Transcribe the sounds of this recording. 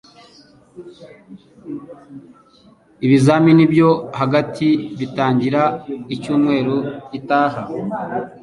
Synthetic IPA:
iβizaːminibjo̞haɡatʰiβitaːɲɟiɾaicuːnwe̞ːɾujitaːha

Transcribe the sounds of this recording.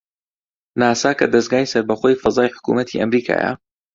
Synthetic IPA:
naːsaːkɐd̪ɐsɡaːjsɐɾbɐχoːjfɐzaːjħʊ̥kṵmɐt̪ʰḭʔɐmɾiːkʰa̰ːjɐ̰

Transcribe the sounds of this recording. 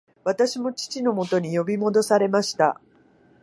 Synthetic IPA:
βat̪aɕimo̞t͡ɕi̥t͡ɕino̞mo̞t̪o̞ɲ̟ijo̞bʲimo̞d̪o̞saɾe̞maɕi̥t̪a̰

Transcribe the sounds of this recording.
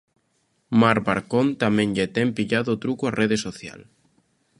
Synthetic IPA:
maɾβaɾkont̪amẽŋʎet̪empiʎaðoːt̪ɾukuareðesoθja̰l

